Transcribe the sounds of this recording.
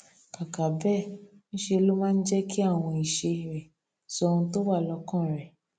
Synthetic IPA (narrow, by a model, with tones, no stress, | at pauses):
ka˨ka˨bɛ˦˨ñ̩˦ʃe˧lo˦mãː˦˧n̩˦d͡ʒɛ˦ki˦a˦˨w̃ɔ̃˧i˨ʃe˧ɾɛ˨ | sɔ˧ɾũ˧to˦wa˦˨lɔ˧kã˦˨ɾɛ˨